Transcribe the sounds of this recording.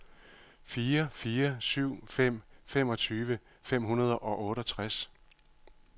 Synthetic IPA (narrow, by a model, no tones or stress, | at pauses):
fiːɐfiːɐsyʊ̰fem̰fem̰ɒ̽t͡sʰyːʋə | fem̰ɦunɐð̞ˠəʔɒ̽ʔɔ̽ːɾəɒt͡sʰʁas